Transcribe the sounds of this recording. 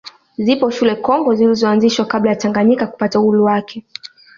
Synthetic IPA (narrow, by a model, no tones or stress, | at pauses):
zipɔʃulɛkɔŋɡɔzilizɔanziʃwakablajataŋɡaɲikaku̥patauuluwakʰɛ